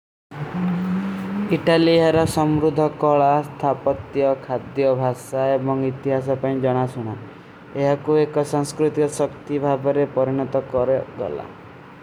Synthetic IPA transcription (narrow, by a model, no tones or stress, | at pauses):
iʈalieɦaɾɔsɔmɾud̪ʱɔkɔɭast̪ʰapɔt̪jɔkʰad̪jɔbʱasaebɔŋit̪iɦas̬ɔpaĩd͡ʒɔɽ̃asuɽ̃a | eɦakuekɔsaŋskɾut̪ikɔsɔkt̪ibʱabɔɾepɔɾiɽ̃ɔt̪ɔkɔɾeɡɔ̰la̰